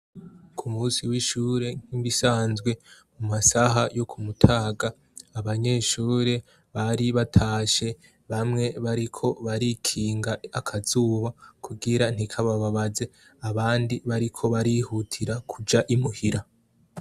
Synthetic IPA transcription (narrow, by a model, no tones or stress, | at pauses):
kʰumuːsiwiʃuːɾe̞ŋ̥iβisaːnzɡwe̞mumasaɦajo̞kʰumutʰaːɡaː | βaɲe̞ːʃuːɾe̞ | βaɾiβatʰaːʃe̞ | βamŋe̞βaɾikʰo̞βaɾikʰiːŋɡaakʰazuːβakʰuɡiɾan̥ikʰaβaβaβaze̞ | aβaːndiβaɾikʰo̞βaɾihutʰiɾakʰud͡ʒaʔimuhiɾa